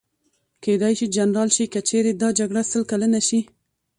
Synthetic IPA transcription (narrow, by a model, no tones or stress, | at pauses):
ked̪ajʃid͡ʒanɾɑlʃikat͡ʃeɾed̪ɑd͡ʒaɡɽasəlkalənaʃi